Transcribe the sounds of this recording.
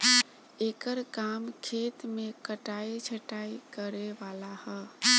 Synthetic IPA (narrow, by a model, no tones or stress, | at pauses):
ekəɾkamkʰet̪mekəʈait͡ʃʰəʈaikəɾeʋalahə